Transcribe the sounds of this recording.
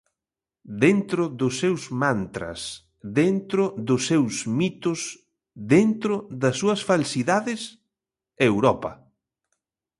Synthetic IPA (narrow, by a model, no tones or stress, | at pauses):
d̪ent̪ɾʊðʊsːewzmant̪ɾɐ̰s | ðent̪ɾʊðʊsːewzmit̪ʊs | ðent̪ɾʊðɐsːuɐsfalsiðaðɪs | ewɾɔpɐ̰